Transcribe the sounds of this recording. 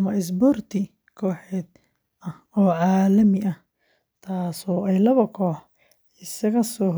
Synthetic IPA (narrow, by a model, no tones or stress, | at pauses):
ɐmɐɪs̬bɔrt̪ʰɪ | kʰɔːħɛːd̪ | ɐh | ɔːʕɑːlɐmɪʔɐh | t̪ʰaːsɔːɛjlɐβɐkʰɔːħ | ɪsɐɣɐsɔː